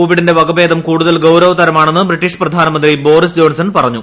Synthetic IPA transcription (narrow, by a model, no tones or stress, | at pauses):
oːʋiɽinde̞ʋɐɡɐbe̞ːd̪ɐmkuːɽuðɐlɡɐwɾɐʋɐt̪ɐɾɐmaːɳenːɨbriʈːiʂprɐd̪ʱaːnɐmɐnd̪ribo̞ːɾis̬d͡ʑo̞ːnsɐnpɐrɐɲːu